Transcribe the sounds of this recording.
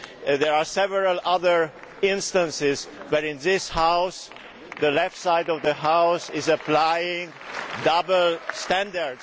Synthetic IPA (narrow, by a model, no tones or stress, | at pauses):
ðɛɹasɛvəɹəlʌðə˞ | ɪ̃nstə̃nsɪzbəɾɪ̃nðɪshaʊs | ðəlɛftsaɪdɔvðəɦaʊsɪzəplajɪ̃ŋ | dʌbl̩stæ̃ndəɹd